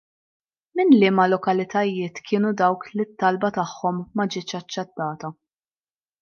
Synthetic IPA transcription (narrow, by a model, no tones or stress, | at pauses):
mɪnlɪːmɐlɔkɐlɪt̪ɐjɪːt̪kʰɪːnud̪ɐwklit̪ːɐlbɐt̪ɐħːɔmːɐd͡ʒɪːt͡ʃɐt͡ʃːɛt̪ːɐːt̪ɐ